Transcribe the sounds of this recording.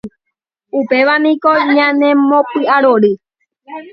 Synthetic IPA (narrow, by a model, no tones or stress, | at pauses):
upe̞ʋanĩkoɲãnẽmõpɨʔaɾoɾɨ